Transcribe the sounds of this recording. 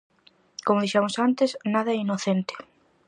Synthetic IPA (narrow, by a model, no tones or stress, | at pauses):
komʊðiʃamʊsant̪ɪsnaðɐɛinoθent̪ɪ̥